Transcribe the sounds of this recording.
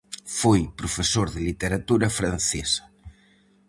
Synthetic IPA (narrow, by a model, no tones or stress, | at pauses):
fojpɾofesoɾðɪlit̪eɾat̪uɾɐfɾanθesɐ̥